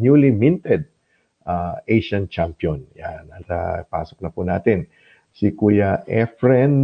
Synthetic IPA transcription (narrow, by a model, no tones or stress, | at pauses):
njulimɪnt̪ɛd̪̚ | ʔaejʃɐnt͡ʃampjonjanɐsa̰paːsok̚nɐpʊnaːt̪ɪn | sikujaʔɛfɹɛn